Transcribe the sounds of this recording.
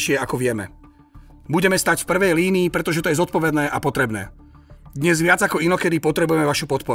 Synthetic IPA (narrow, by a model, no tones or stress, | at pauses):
ʃɪɛakɔʋɪɛmɛ̰ | buɟɛmɛst̪acfpr̩ʋɛjliːniːpɾɛt̪ɔʒɛt̪ɔjɛzɔt̪̚pɔʋɛd̪nɛːʔapɔt̪ɾɛbnɛ̰ː | d̪ɲɛzʋɪad͡zakɔinɔkɛd̪ipɔt̪ɾɛbujɛmɛʋaʃupɔt̪pɔɾ